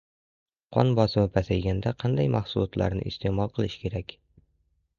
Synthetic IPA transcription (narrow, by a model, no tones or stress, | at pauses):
qʰɒ̰nbɒsɪmɪpʰasajɡʲand̪aqʰɑnd̪ajmɑχsʊlˠɒt̪la̰ɾnɪ̰ʔɪst̪ʰemɒlˠqʰɨlˠɪʃkʲʰe̞ɾakʲ